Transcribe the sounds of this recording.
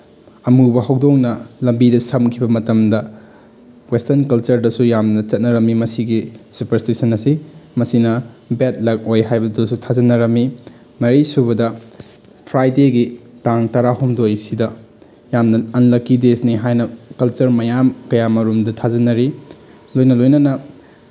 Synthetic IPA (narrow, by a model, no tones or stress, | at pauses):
ɐmubɐɦɐwdoŋnɐlɐmbidɐsɐmkʰibɐmɐtɐmdɐ | westɐnkɐlt͡ʃɐɾdɐsujamnɐt͡ʃɐt̚nɐɾɐmːimɐsiɡisupɐɾstisɐnɐsimɐsinɐ | bet̚lɐk̚ojɦajbɐdusutʰazɐnɐɾɐmi | mɐɾisubɐdɐ | pʰɾajdeɡitaŋtɐɾaɦumdojsidɐ | jamnɐɐnlɐkːidesniɦajnɐkɐlt͡ʃɐɾmɐjamkɐjamɐɾumdɐtʰazɐnɐɾi | lojnɐlojnɐnɐ